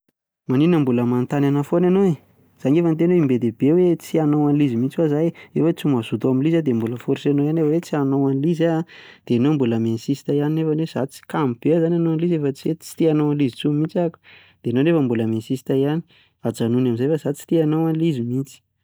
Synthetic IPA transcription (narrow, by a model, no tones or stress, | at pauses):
maninəmbuləmant̪ananafonanoe | z̥aŋefənt̪enoimbed̪ebewet͡sianowanlizimint͡siwazajefət͡simazut̪aminlizad̪embuləfoɾsanoanefawet͡sianowanlizad̪̥eanombuləmensisi̥t̪ajaninefanez̥at͡si̥kamb̥eazananoanlizefət͡siet͡si̥t̪ianoanlizit͡sumint͡saku̥ | d̪̥eanonefəmbuləmensisi̥t̪ajani̥ | ad͡zanunamizajfazat͡si̥t̪ianowanlizimint͡si̥